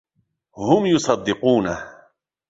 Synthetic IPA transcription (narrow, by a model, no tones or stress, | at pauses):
hʊmjʊsˤɑd̪ːɪquːna